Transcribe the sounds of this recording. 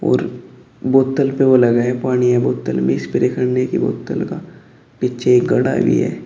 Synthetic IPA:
ɔ̰ːɾ | boːt̪ːəlpeʋolɐɡaɦɛpaːɽ̃iɦɛboːt̪ːə̰lmẽɪspɪɾekʰəɽnekibo̰ːt̪ːəlka | pitːʃʰeeːk̚ɡɐɽa̰bʱḭɦɛ̰ː

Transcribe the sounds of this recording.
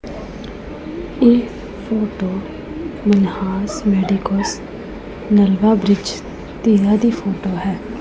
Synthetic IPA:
eː | pʰoːʈoː | mənhaːsmɛːɖikəs | nəlʋaːbɾɪd͡ʒ | t̪iːɾaːd̪iːpʰoːʈoːɦɛː

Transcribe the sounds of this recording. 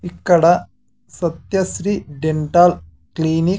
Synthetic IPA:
ikːɐɽɐ | sɐt̪jɐsɾiːɖeɳʈaːl | kliːni

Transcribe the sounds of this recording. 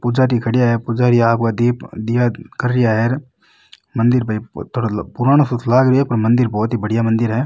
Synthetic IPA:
pʊd͡ʒaːɾikʰɐɽɪjaɦɛːpʊd͡ʒaːɾiaːpkad̪id̪ɪjakəɾːɪjaɦɛːɾ | mə̃nd̪ɪɾbʱait̪ʰoːɽapʊɾaːɽ̃osʊt̪ʰlaːɡɾɪɛpɐɾmɐ̃nd̪ɪɾbɔːt̪ɦibəɽɪjamɐ̃nd̪ɪɾɦɛː

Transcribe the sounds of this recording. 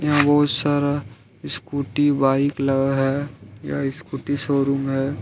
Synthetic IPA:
jɐɦãbɔɦʊt̪saɾ | ɪskuːʈibaːɪklɐɡaɦɛja̰ɪskuːʈisoːɾumɦɛː

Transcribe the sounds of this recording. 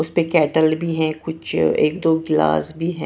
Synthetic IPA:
ʊspẽkɛːʈəlbʱiɦɛ̃kʊt͡ʃʰḛːk̚d̪oːɡla̰ːsbʱiɦɛ̃

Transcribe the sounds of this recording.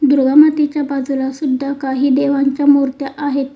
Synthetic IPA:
d̪uɾɡamat̪et͡ɕjabad͡zulasud̪ʱːakaɦiːd̪eʋ̤aɲt͡ɕjamuɾt̪jaʔaɦet̪

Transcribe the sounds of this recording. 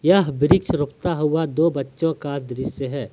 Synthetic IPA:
jɐɦbɪɾɪkʃɾʊp̚t̪aɦuad̪oːbɐtːʃõkad̪ɾɪsjəɦɛː

